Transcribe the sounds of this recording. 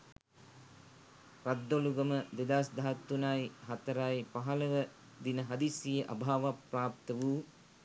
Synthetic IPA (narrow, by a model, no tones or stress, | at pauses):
ɾad̪ːoluɡəməd̪ed̪aːsd̪aɦat̪ːunajɦat̪əɾajpaɦɐlɐʋə | d̪inəɦɐd̪isijəʔabʱaːʋapraːp̚t̪əʋuː